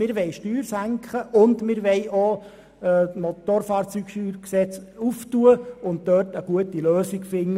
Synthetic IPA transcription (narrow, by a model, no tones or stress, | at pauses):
mɪːɾʋɛɪʃtyːɾsæŋkχəʔʊndmɪɾʋɛɪʔo | mot̪oɾfɑːɾt͡syːɡʃyːɾksɛt͡suftuəʊnt̚d̥œːrtəɡ̥uətiløːsiɡfɪŋː